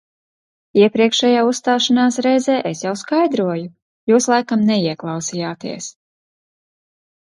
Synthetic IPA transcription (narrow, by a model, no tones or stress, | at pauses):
iɛpɾiɛkʃɛjaːusst̪aːʃanaːsɾɛjzɛːʔesjawskajd̪ɾuɔju | juːslˠajkamnɛiɛklˠɑwsijaːt̪iɛs